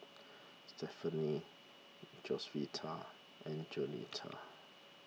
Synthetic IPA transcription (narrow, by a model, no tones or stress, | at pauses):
stɛfəni | d͡ʒɔswitʰa | ʔɛ̃nd͡ʒɔnḭtʰa̰